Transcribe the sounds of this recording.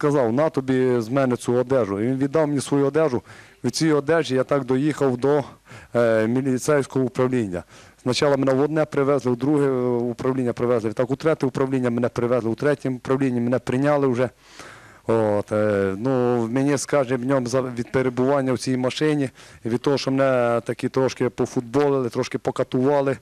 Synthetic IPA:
skɐzɑwnɑt̪ɔbʲizmɛnɪt͡s̪ʲuɔd̪ɛʒʊiʋʲinʋʲid̪ːɑwmenʲisʋɔjuɔd̪ɛʒʊʋʲit͡sʲijɔd̪ɛʒijat̪ɑkd̪ɔjixɐwd̪ɔ | mʲilʲit̪sɛjsʲkɔɦɔʊpɾɐwlʲinʲːɐ̰znɐt͡ʃɑlˠɐmenɛwɔd̪nɛpɾɪʋɛzlˠɪud̪ɾuɦɛupɾɐwlʲinʲːɐpɾɪʋɛzlˠɪʋʲit̪ɑkut̪ɾɛt̪ɪʊpɾɐwlʲinʲːɐmenɛpɾɪʋɛzlˠɪut̪ɾɛtʲimʊpɾɐwlʲinʲːimenɛpɾɪnʲɑlˠɪʊʒɛ | ot̪nuwmʲenʲiskɑʒɛʋnʲɔmzɐʋʲid̪̚peɾebʊʋɑnʲːɐwt͡sʲijmɐʃɪnʲiʋʲid̪̚t̪ɔɦɔʃɔmenɛt̪ɐkʲit̪ɾɔʃkɪpɔfud̪̚bɔlˠɪlˠɪt̪ɾɔʃkɪpɔkɐt̪ʊʋɑlˠɪ

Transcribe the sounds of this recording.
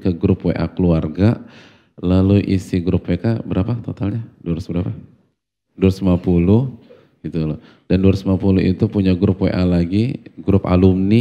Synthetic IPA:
kəɡɾʊpwḛʔa̰kluarɡa | laluʔisiɡɾʊpwekabəɾapat̪ot̪alɲaduɾsbəɾapa | dursəmapuluh | ɡ̥it̪ulɔ | dandursəmapuluit̪upuɲaɡɾʊpwḛʔalaɡiɡɾʊpa̰lʊmni

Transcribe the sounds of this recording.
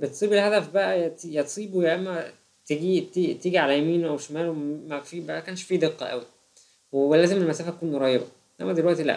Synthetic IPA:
bet̪sˤiːbelhæd̪æfbæʔæjt̪jæt̪sˤiːbujæʔemːæ | t̪eːɡit̪it̪iːɡiʕalæjæmiːnʔæwʃomæːlwemæfiːʃbæʔækæːnʃfiːd̪eqːɑ̰ʔæ̰wi | wewelæːzemelmæsæːfæt̪æ̥kuːnɾˤɑjebɑ | ʔæ̰mːæd̪elwæʔt̪ilæ̰ʔ

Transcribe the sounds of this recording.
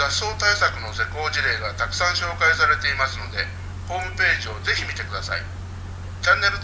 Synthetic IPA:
aso̞ːt̪aisakɯ̟no̞se̞ko̞ːʑiɾe̞ːɡat̪akɯ̟̥sãɰ̃ɕo̞ːkaisaɾe̞t̪e̞imasɨno̞d̪e̞ | ho̞ːmɯ̟pe̞ːʑio̞ze̞çimʲit̪e̞kɯ̟d̪asa̰ḭ | t͡ɕãnːe̞ɾɯ̟

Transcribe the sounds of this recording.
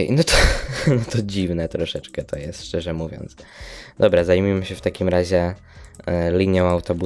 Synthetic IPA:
nɔt̪ʰɔnɔt̪ɔd͡ʑivnɛt̪ɾɔʂɛt͡ʂkɛt̪ʰɔjɛst̪ʂt͡ʂɛʐɛmuvʲjɔ̰nt̪sd̪ɔbɾazajmʲimɘɕɛft̪akʲimɾaʑɛ | lʲiɲjɔ̃w̃awt̪ɔbu

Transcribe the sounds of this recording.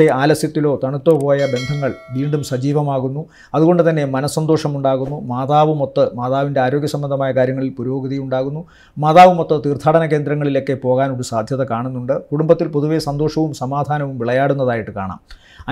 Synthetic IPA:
eaːlɐsjɐt̪ːilo̞ːt̪ɐɳut̪ːo̞ːpo̞ːjɐbe̞nd̪ʱɐŋːɐɭʋiːɳɖumsɐd͡ʑiːʋɐmaːɣunːu | ɐðuɣo̞ɳɖɨt̪ɐnːe̞mɐnɐsːɐnd̪o̞ːʂɐmuɳɖaːɣunːumaːðaːʋumo̞t̪ːɨmaːðaːʋinde̞aːɾo̞ːɡʲjɐsɐmbɐnd̪ʱɐmaːjɐkaːɾjɐŋːɐɭilpuɾujoːɡɐðɐjuɳɖaːɣunːu | maːðaːʋumot̪ːɐt̪iːrt̪ʰːaːɽɐnɐk̬e̞ːnd̪ɾɐŋːɐɭilo̞kːe̞po̞ːɣaːnoɾusaːd̪ʱjɐðɐkaːɳunːuɳɖɨkuɽumbɐt̪ːilpo̞ðuʋe̞sɐnd̪oːʂɐʋumsɐmaːd̪ʱaːnɐʋumʋiɭɐjaːɽunːɐðaːjiʈːɨkaːɳa̰ːm | ɐ

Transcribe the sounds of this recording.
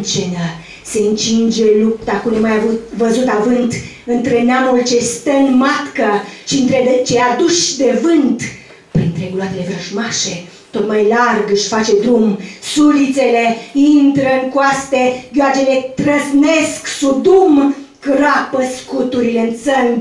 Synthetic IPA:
t͡ʃenə | se̞ɨnt͡ʃind͡ʒe̞lupt̪akunumajavut̪vəzut̪avɨnt̪ | ɨnt̪ɾeneamult͡ʃe̞st̪ənmat̪kəʃiɨnt̪ɾed̪ət͡ʃead̪uʃʲd̪e̞vɨnt̪ | pɾint̪ɾe̞ɡulwat̪ele̞vɾəʒmaʃe̞ | t̪o̞t̪majlarɡɨʃʲfat͡ʃe̞d̪ɾumsulit̪se̞le̞int̪ɾəɨŋkoast̪eɡʲoad͡ʒelet̪ɾəznesksud̪umkrapəskut̪uɾileɨnt̪səŋɡ

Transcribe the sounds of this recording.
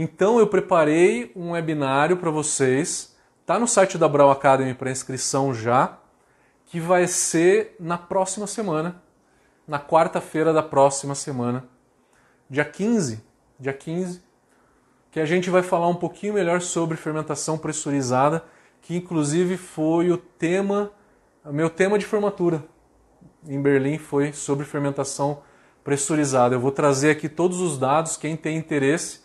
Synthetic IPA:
ẽt̪ɐ̃w̃ewpɾepaɾejũebinaɾjʊpɾɐvosejs | t̪anʊsajt͡ʃɪd̪abɾawakad̪ẽɪ̃pɾɐĩskɾisɐ̃w̃ʒa | kɪvajseɾnɐpɾɔsimɐsemɐ̃nɐ | nɐkwaɾt̪ɐfeɾɐd̪ɐpɾɔsimɐsemɐ̃nɐ | d͡ʒiɐkĩzɪ | d͡ʒiɐkʰĩzɪ | kɪaʒẽnt͡ʃɪvajfalaɾũpokʰĩɲʊmeʎɔɾsobɾɪfeɾmẽnt̪asɐ̃w̃pɾesoɾizad̪ɐ | kɪĩŋkluzivɪfojʊt̪ẽmɐ | ʊmewt̪ẽmɐd͡ʒɪfoɾmat̪uɾɐ | ẽj̃beɾlĩfojsobɾɪfeɾmẽnt̪asɐ̃w̃ | pɾesoɾizad̪ɐewvowt̪ɾazeakit̪od̪ʊzʊzd̪ad̪ʊskẽj̃t̪ẽj̃ĩnt̪eɾesɪ̥

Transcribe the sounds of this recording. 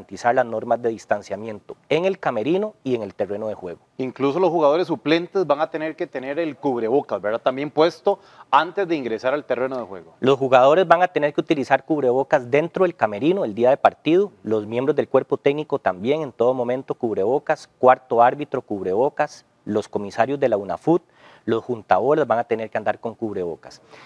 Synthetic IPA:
ant̪isaɾlazno̞ɾmazd̪e̞ðist̪ansjamje̞nt̪oeŋe̞lkame̞ɾinoie̞ŋe̞lt̪e̞re̞noð̞e̞xwe̞ɣoiŋklusolosxuɣaðo̞ɾesːuple̞nt̪ezbaŋat̪eneɾket̪eneɾelkuβɾeβokazbeɾd̪at̪ambjempwe̞st̪o | ant̪ezd̪e̞iŋɡɾesaɾalt̪erenoðexweɣolo̞sxuɣað̞o̞ɾezbaŋat̪ene̞ɾkeut̪ilisaɾkuβɾe̞βo̞kazd̪e̞nt̪ɾoðelkame̞ɾinoeld̪iaðepaɾt̪iðolozmje̞mbɾozd̪elkwe̞ɾpot̪eɡnikot̪ambje̞ŋe̞nt̪o̞ðomomẽ̞nt̪o̞kuβɾe̞βo̞kaskwaɾt̪oaɾbit̪ɾo̞kuβɾe̞βo̞kas | lo̞sko̞misaɾjozd̪e̞launa̰fut̪̚ | lo̞sxunt̪aβoɾezbaŋat̪e̞ne̞ɾkeand̪aɾko̞ŋkuβɾe̞βo̞̰kḁs

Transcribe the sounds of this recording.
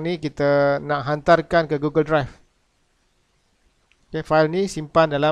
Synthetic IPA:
nĩkit̪anãʔɦant̪arkankəɡuɡəldɾajf | okefajlnĩsimpandala

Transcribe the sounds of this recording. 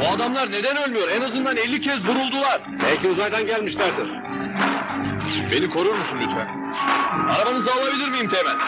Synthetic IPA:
buad̪amlˠaɾne̞d̪ænø̞lʲmyjo̞ɾenazɯnd̪anelʲːicʰɛzbuɾulˠd̪ulˠaɾ̥bælʲcʰiuzajd̪anɟælʲmiʃlʲæɾd̪iɾ̥ | be̞nikʰo̞ɾuɾmusunlʲyt̪væ̰n | aɾabanɯzaːlˠabilʲiɾmijimt̪ʰemænʲ

